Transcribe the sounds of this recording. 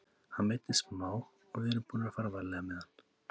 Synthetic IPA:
hanmejt̪ɪst̪maːw | ɔɣɛɾʏpuːnafaɾvaɾlɛɣamɛðan̥ː

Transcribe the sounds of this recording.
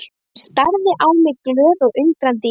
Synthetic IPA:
st̪aɾðɪʔaːwmɪðklœːðɔɣʏŋkɾant̪ɪ

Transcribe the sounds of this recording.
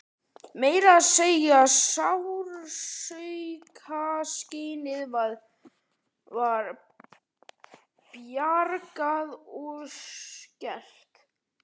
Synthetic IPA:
meːjɾaːðseːjaːsawɾsœjkʰasceːnɪðvað | vaɾ | pjaɾkaðɔɣscɛl̥t̪

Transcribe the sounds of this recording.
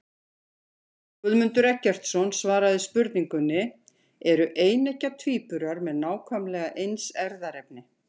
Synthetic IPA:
kʏðmʏnt̪ʏɾɛhcːɛr̥t̪sɔnsvaːɾaðɪspʏɾt̪niŋkʏnːɪ | ɛɾʏʔeːjnecat̪ʰviːpʏɾaɾmɛðnaːwkʰvœmlɛːɣaʔejnsɛɾðaɾɛp̚nɪ

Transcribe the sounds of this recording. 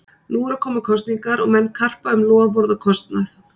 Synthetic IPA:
nuːɾakʰɔːmʏkʰɔst̪niŋkaɾɔɣmɛnːkʰar̥paʏmlɔːavɔɾðakʰɔst̪naθ

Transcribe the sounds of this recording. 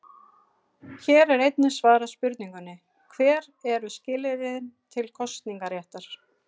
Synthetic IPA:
çɛːɾɛɾejt̪nɪsvaːɾaspʏɾt̪niŋkʏnːɪ | kʰvɛːɾ | ɛɾʏscɪːlɪɾɪðɪnt̪ʰɪlkʰɔst̪niŋkaɾjɛht̪aɾ̥

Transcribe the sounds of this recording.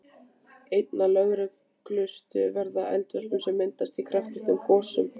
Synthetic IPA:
ejt̪nalœɣɾɪ | klʏst̪ʏvɛɾðaʔɛ̰lt̪vœɾ̥pʏmsɛmːɪnt̪ast̪ikʰɾaft̪vɪ̥θɛmkɔːsʏm

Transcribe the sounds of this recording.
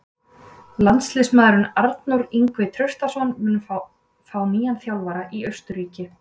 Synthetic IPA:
lant̪slɪsmaːðɾʏnaɾt̪nʊɾiŋkvɪt̪ʰɾœɥr̥st̪asɔnmʏnːʏ | faːwmiːjanθjaːwvaɾaʔiœɥst̪ʏɾiːcɪ

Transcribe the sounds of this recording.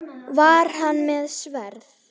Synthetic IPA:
vaɾ̥hanːmɛðsvɛɾθ

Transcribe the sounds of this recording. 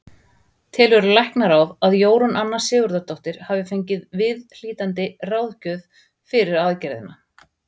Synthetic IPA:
t̪ʰɪlvɛɾʏlajhknaɾawvaðjoːwɾʏnʔanːasɪːɣʏɾðat̪ɔht̪ɪɾ̥havɪfejɲcɪðvɪðl̥iːt̪ant̪̬ɪrawðcœð | fɪɾɪɾaðcɛɾðɪ̰nːa

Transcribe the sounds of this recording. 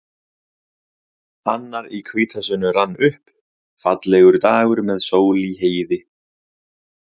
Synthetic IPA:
anːaɾikʰviːt̪ʰasʏnːʏranːʏhp | fat̪lɛɣʏɾt̪aːɣʏɾmɛðsoːwliɦeːjðɪ

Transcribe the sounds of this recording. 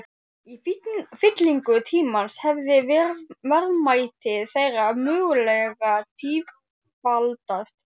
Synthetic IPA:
ifɪt̪liŋkʏt̪ʰiːmanshɛvðɪvvɛɾmaːjt̪ɪðθejramʏːɣʏlɛɣat̪ʰiːv | palt̪ast̪

